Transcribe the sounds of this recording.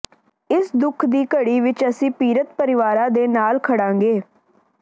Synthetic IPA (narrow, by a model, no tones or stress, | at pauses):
ɪsd̪ʊkʰd̪iːkəɽiːʋɪt͡ʃəsĩːpiːɾət̪pəɾɪʋaːɾãːd̪eːnaːlkʰəɽãːŋɡeː